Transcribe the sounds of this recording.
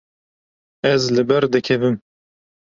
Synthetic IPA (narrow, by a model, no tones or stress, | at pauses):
ɛzlɨbɛɾd̪ɨkʰɛvɨm